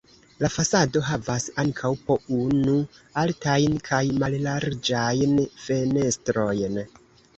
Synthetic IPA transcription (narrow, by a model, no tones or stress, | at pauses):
lafasado̞ɦavasaŋkʰawpo̞unualtajnkʰajmallaɾd͡ʒajnfe̞ne̞stɾo̞jn